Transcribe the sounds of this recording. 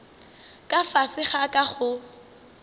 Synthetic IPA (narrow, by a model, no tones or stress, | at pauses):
kʼafasɪχakʼaχʊ